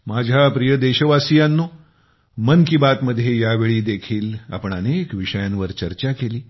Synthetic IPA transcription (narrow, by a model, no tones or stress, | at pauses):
mad͡ʑʱjapɾijəd̪eɕəʋasijanːuː | mənkibat̪məd̪ʱːjejaʋeɭiːd̪ekʰiːla̰pəɳanekʋiʂəjanʋəɾt͡ɕəɾt͡ɕakeliː